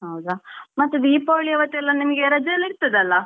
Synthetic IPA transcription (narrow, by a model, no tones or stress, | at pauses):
ɦɐwd̪ɐmɐt̪ːud̪iːpoːɭijɐʋɐt̪ːuɛlːɐnimɐɡeɾɐd͡ʒɐɐlːiɾt̪ːɐd̪eɐlːɐ